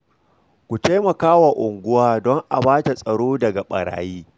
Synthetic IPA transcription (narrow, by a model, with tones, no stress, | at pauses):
kʷu˨ta˦jmɐ˨kaː˦wa˨ʔʊ˨ŋɡʷʊ˦waː˦dɔ˦ŋʔa˨baː˦ta˨sʼɐ˨ɽoː˦dɐ˨ɡa˨ɓɐ̰˨ɽa̰ː˨jiː˦